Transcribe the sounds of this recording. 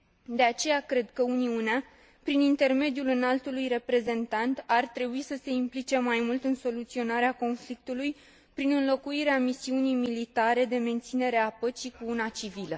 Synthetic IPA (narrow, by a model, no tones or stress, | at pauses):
d̪e̞at͡ʃe̞jakɾe̞d̪kəuniunea | pɾinint̪e̞rme̞d̪ijulɨnalt̪ulujre̞pɾe̞ze̞nt̪ant̪art̪ɾe̞buisəse̞implit͡ʃe̞majmult̪ɨnso̞lut̪sio̞naɾeako̞nflik̚t̪uluj | pɾinɨnlo̞kuiɾeamisiunijmilit̪aɾe̞d̪e̞me̞nt̪sine̞ɾeapət͡ʃikuunat͡ʃivilə